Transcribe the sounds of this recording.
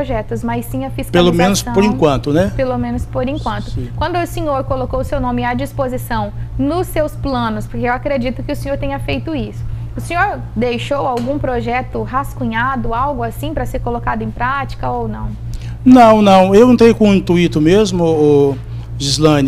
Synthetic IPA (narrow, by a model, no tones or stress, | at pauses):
oʒɛt̪ʊzmajsːĩɲɐfiskpealomẽnʊspoɾĩkwɐ̃nt̪ʊnɛpelomẽnʊspoɾĩkwɐ̃nt̪ʊkwɐ̃nd̪ʊːsẽɲoɾkolokowʊsewnõmɪad͡ʒispozisɐ̃w̃nʊsːewsplɐ̃nʊspoɾkeewakɾed͡ʒit̪ʊkɪʊsẽɲoɾt̪ẽɲɐfejt̪ʊisʊ̥ | ʊsẽɲoɾ | d̪ejʃowawɡũpɾoʒɛt̪ʊɦaskũɲad̪ʊawɡʊasĩpɾɐseɾkolokad̪ʊẽj̃pɾat͡ʃi̥kɐownɐ̰̃w̃ | nɐ̃w̃nɐ̃w̃ewẽnt̪ɾejkõĩt̪uit̪ʊmezmʊo | ʒizlɐ̃n